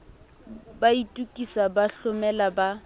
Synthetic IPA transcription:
baitʼukʼisabaɬʊmɛlaba

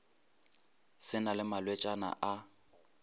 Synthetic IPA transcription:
sɪnalɪmalwet͡ʃʼana̰ʔa

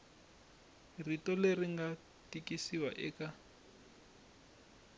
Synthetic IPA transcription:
ritɔleriŋɡa | tikisiwaʔɛːka

